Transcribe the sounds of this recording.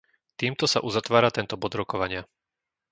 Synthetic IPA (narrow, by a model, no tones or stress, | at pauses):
t̪iːmt̪ɔsa̰ʔuzat̪ʋaːɾat̪ɛnt̪ɔbɔd̪ɾɔkɔʋaɲɪa